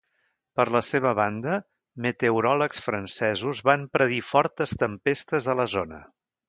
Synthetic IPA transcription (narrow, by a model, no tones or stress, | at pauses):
pəɾləseβ̞əβand̪ə | mət̪euɾɔləksfɾənsɛzuzβampɾəðifɔɾt̪əst̪əmpest̪əzələzonə̰